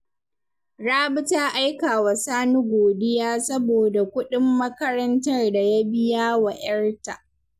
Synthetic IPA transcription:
ɽaː˦bʊ˦taː˦ʔa˦jkaː˨wa˨saː˦nu˦ɡʷoː˨dɪ˦jaː˦sɐ˦boː˨da˨kʷʊ˦ɗɪ˦mːɐ˦kɐ˦ɾɐ˦ntɐ˦rda˨ja˦bɪ˦jaː˦wa˨ʔɐ˦rta˨

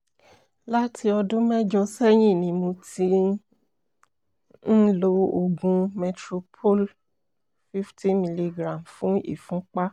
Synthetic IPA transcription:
la˦tʰi˧ɔ˧dũ˦mɛ˦d͡ʒɔ˧sɛ˦j̃ĩ˦˨nĩ˧˦mo˧ti˧ | n̩˦lo˧o˧ɡũ˧mɛ˧tɾo˧pʰo˦l | fi˦ftʰi˦mi˧li˧ɡɾã˨mfũ˨˦ḭ˦˨fũ˦k͡pa˦

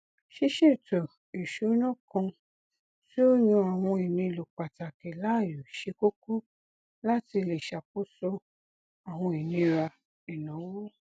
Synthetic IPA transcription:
ʃi˧ʃe˦˨to˨ | i˨ʃo˨˦nɔ̃˦kɔ̃˧ | si˦o˦ɲũ˧a˨w̃ɔ̃˧i˨nĩ˧lo˨k͡pa˨ta˨ke˨la˦˨jo˨ʃe˧ko˦ku˦ | la˦ti˧le˨ʃa˨k͡po˦so˧ | a˨w̃ɔ̃˧i˨nĩ˧ɾa˧ | e˨nã˨˦wo˦

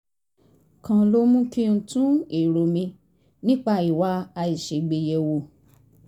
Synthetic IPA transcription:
kã˧lo˦mũ˦kĩ˦n̩˧˦tũ˦e˨ɾo˨mĩ˧ | nĩ˦k͡pa˦˨i˨wa˧˦a˧i˨ʃe˨ɡ͡be˨jɛ˧wo˨

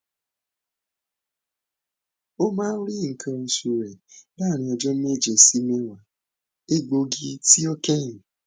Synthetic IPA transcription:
o˦mãː˦n̩˦ɾi˦˨ŋ̩˨kʰã˨n̩˨su˨ɾe˨da˦˨ɾ̃ĩ˨ɔ˨d͡ʒɔ˦m̩˦me˦˨d͡ʒe˨si˦me˦wa˨ | e˦ɡ͡bo˦ɡi˦ti˦ɔ˦ke˦ɲi˨

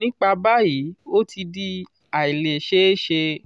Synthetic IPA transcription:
ĩ˦k͡pa˧ba˦ji˨˦o˦tʰi˧di˧ | a˨i˨le˨ʃe˦ʃe˧

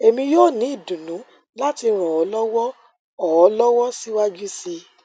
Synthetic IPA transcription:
e˨mĩ˧joː˦˨nĩ˨˦i˦˨dũ˨nũ˨˦ | la˦ti˧ɾ̃ɔ̃˨ɔ˨˦lɔ˦wɔ˦ | ɔ˨ɔ˨˦lɔ˦wɔ˦si˦wa˦d͡ʒu˦si˧

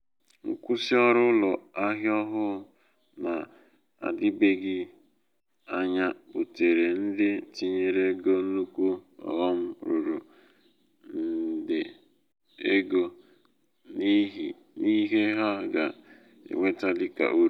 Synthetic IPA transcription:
ŋ̩˦kʷu˦si˦ɔ˦ɾʊ˦lɔ˨a˦ɦjɔ˦ɦʊ˦ | na˨ | a̰˨dɪ˦be˦ɡɪ˦ | a˦ɲa˦u˨te˨ɾe˨n̩˦dɪ˦˨ti˦ɲe˨ɾe˦ɡo˦nu˦kʷu˦ɔ̰˨ɔ˦m̩˦ɾu˨ɾu˨ | n̩˨dɪ˨ | e˦ɡo˦ | ni˦ɦi˨ | ni˦ɦe˦ɦa˦ɡa˨ | ḛ˨ŋʷe˦ta˦dɪ˦ka̰˨ʔu˦ɾ

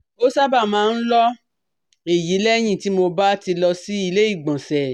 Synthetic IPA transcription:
o˦sa˦ba˦˨mãː˨˦n̩˦lɔ˦ | e˨ji˨˦lɛ˦j̃ĩ˦˨ti˨˦mo˧ba˦ti˧lɔ˧si˦i˧le˦i˦˨ɡ͡bɔ̃˨sɛ˨

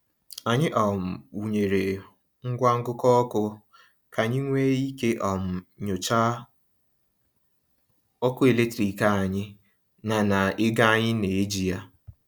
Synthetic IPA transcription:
a˨ɲɪ˦ʔɔ˨m̩˨u˨ɲe˨ɾe˨ | ŋ̩˦ɡʷa˦ŋ̩˦ɡʊ˦kɔ˦ɔ˦kʊ˦ | kʰa˨ɲi˦ŋʷe˦i˦ke˦ʔɔ˨m̩˨ɲo˨t͡ʃa˦ | ɔ˦kʊ˦e˨le˦tɾi˨ka˨a˨ɲɪ˦ | na˨na˨ɪ˦ɡa˦a˦ɲɪ˦ne˨e˦d͡ʒi˨ja˦

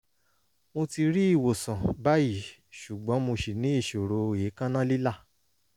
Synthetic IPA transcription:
mo˧ti˧ɾi˦i˦˨wo˨sã˨ba˦ji˦˨ʃu˨ɡ͡bɔ̃˨˦mo˧ʃi˨nĩ˨˦i˦˨ʃo˨ɾo˨je˨˦kã˦nã˦li˦la˦˨

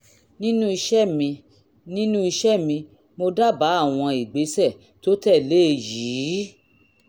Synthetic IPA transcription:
nĩ˦nũ˦i˧ʃɛ˦mĩ˧ | nĩ˦nũ˦i˧ʃɛ˦mĩ˧ | mo˧da˦˨ba˨˦a˦˨w̃ɔ̃˧i˨ɡ͡be˨˦sɛ˦˨ | to˦tɛ˦˨le˦˧ji˨˦

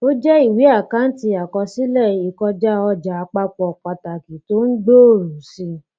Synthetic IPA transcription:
o˦d͡ʒɛ˦i˦˨wi˨˦a˦˨ka˨˦n̩˦ti˧˦a˨kɔ˧si˦lɛ˦˨i˨kɔ˧d͡ʒa˦ɔ˧d͡ʒa˨˧k͡pa˦˧k͡pɔ˧˨k͡pa˧ta˨ki˨to˦n̩˦ɡ͡bo˦o˦˨ɾũ˨sĩ˧˦

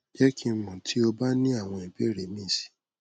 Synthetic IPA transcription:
d͡ʒɛ˦kĩ˧˦mũ˨tʰi˨˦o˧ba˦nĩ˦a˦˨w̃ɔ̃˧i˨be˦˨ɾe˨mĩ˦˨si̥˨˦

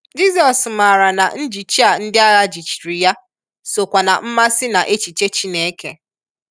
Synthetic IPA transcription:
d͡ʒi˦sɔ˨sma˨ɾa˨na̰˨n̩˦d͡ʒi˨t͡ʃi˦a˨n̩˦dɪ˦a˦la˦d͡ʒi˨t͡ʃi̥˨ɾi˨ja˦ | so˨kʷa˨na̰˨m̩˦ma˦sɪ˦na˨ʔe˦t͡ʃi˨t͡ʃe˦t͡ʃi˦ne˨˦kḛ˨

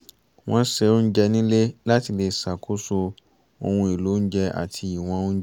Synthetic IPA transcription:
w̃ɔ̃˦sɛ˧o˦n̩˦d͡ʒɛ˧nĩ˦le˦la˦ti˧le˧sa˨kʰo˦so˧ | o˧hũ˧i˨lo˨˦n̩˦d͡ʒɛ˧a̰˨tʰi˧i˨w̃ɔ̃˧˦

